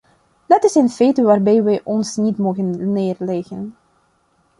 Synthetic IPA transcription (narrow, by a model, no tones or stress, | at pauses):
d̥ɑtɪsənfeːtəʋaːrbɛjʋɛjʔɔnsnitmoːɣənːeːrlɛxən